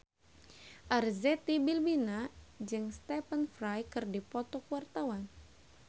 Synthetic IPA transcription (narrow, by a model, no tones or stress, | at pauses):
ʔarzɛt̪ibilbinad͡ʒɨŋst̪ɛpənfɾajkɨrdipɔt̪ɔkuwart̪awan